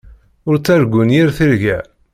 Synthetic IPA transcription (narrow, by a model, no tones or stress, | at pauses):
ʊɾt͡sːæɾɡʷːʊnjiɾθiɾʝæ